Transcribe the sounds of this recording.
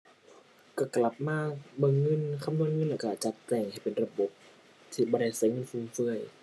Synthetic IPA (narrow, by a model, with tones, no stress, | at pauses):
ka˧˩kla˨˦p̚maː˧˩˨bɤː˧˨ŋːɤ˧˥˨nkʰa˧˨nu˧ənŋɤ˧˥˨lɛː˧˩ka˧˩t͡ɕa˧˦t̪̚ːɛː˧˩ŋha˨˩jpe˨˩nɾa˧bo˨˦p̚ | t̪ʰiː˧˩bɔː˧˦ɾa˧˩jsa˨˦jŋɤ˧˥˨nfuː˧˩mfɯ˧˩əj